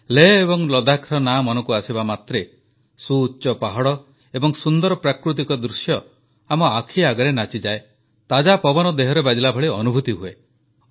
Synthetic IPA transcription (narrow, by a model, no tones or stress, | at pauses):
leebɔŋlɔd̪akʰɾɔnamɔnɔkuasibamat̪ɾe | suːt͡ʃʃɔpaɦɔɽɔ | ebɔŋsund̪ɔɾɔpɾakɾut̪ikɔd̪ɾusjɔ | amɔakʰiaɡɔɾenat͡ʃid͡ʒae | t̪ad͡ʒapɔbɔnɔd̪eɦɔɾebad͡ʒilabʱɔɭiɔnubʱut̪iɦue